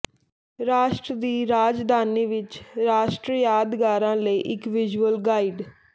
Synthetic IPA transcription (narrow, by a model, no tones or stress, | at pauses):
ɾaːʃʈɾəd̪iːɾaːd͡ʒd̪ʱaːniːʋɪt͡ʃɾaːʃʈɾijaːd̪ɡaːɾãːləiːʔɪkʋɪd͡ʒəlɡaːiːɖ